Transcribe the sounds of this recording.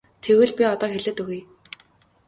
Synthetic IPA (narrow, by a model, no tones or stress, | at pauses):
t̪ʰewɘ̆ɮpʲiɔt̪ɔːxeɮĕːt̪ɵɣej